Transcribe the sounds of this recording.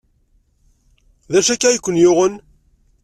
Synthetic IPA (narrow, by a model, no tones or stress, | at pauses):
ðæʃækːæjəkʷːənjʊʁən